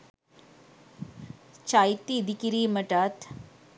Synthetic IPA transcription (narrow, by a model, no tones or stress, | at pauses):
t͡ɕajt̪iːd̪ʱikiɾiːməʈat̪